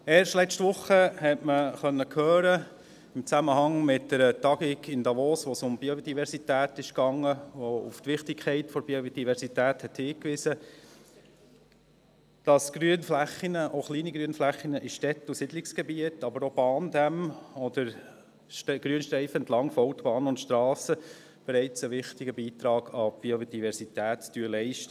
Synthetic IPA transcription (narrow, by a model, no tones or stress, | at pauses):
eːɾʃtlɛstʋʊχːəhɛtməχœnːəkʰhøːɾə | ɪmt͡sæməhɑŋmɪtdəɾətɑɡikɪndɑʋɔːsʋɔsʊmbiodivɛɾsitæːt̪ɪʃkɑŋːəʋoṵft̪ʋɪχtɪkʰχɛɪtfɔɾbiod̥ivɛɾsitæːthɛthiːkʋɪsə | d̥ɑsɡ̥ɾyənflæχːinəʔoχliːniɡɾyənflæχːinəʔɪʃtɛt̪usɪdlɪksɡ̥ɛbiətɑbəɾɔb̥ɑːndæmɔd̥əɾ | ʃɡ̥ɾyənʃtɾɛɪfəɛnt̪lɑŋfɔʊtb̥ɑːnʊntʃtɾɑːsə | b̥ɛɾɛɪt͡səʋɪχtɪɡəbiːt̪ɾɑːɡ̥ɑb̥iod̥ivɛɾsitæːttyəlɛɪʃtə